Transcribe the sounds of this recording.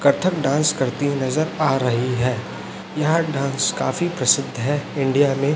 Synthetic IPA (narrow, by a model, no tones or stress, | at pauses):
kɐɾt̪ʰəkɖãːnskɐɾt̪inɐzəɾaːɾɐɦiɦɛː | jɐɦɖãːnska̰ːfipɾɐsɪd̪ʱːɦɛɪ̃ɳɖijamẽ